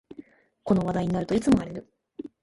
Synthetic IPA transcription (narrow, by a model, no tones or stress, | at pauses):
ko̞no̞β̞ad̪aiɲ̟inaɾɯ̟t̪o̞it͡sɨmo̞aɾe̞ɾɯ̟